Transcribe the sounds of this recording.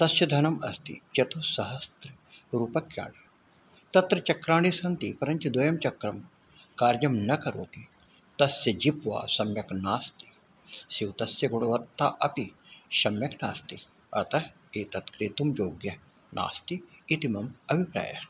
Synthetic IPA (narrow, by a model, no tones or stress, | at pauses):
t̪ɐsjɐd̪ʱɐnɐmɐst̪ḭt͡ʃɐt̪usɐɦɐst̪ɾɐ | ɾuːpɐkja̰ːɳ̃i | t̪ɐt̪ɾɐt͡ʃɐkɾaːɽ̃isɐnt̪ipɐɾɐɲt͡ʃud̪ʋɐjɐmt͡ʃɐkɾɐm | kaːɾjɐmnɐkɐɾo̰ːt̪i | t̪ɐsjɐd͡ʒipʋa̰ːsɐmjɐknaːst̪i̥ | siwt̪ɐsjɐɡuɽ̃ɐʋɐt̪ːa̰ːʔɐpiʃɐmjɐkna̰ːst̪i | ɐt̪ɐ | eːt̪ɐt̪kɾit̪umjoːɡjɐ | nʔa̰ːst̪iːt̪imɐmɐbʱipɾa̰ːjɐ̰